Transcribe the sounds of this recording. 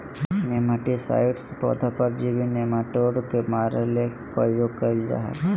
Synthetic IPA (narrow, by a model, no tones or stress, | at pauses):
neməʈisa̰ːɪʈspɔ̰d̪ʱapəɾd͡ʒibinemaʈoːɽkemaːɾelek | pəjoɡ̚kəld͡ʒa̰ɦa̰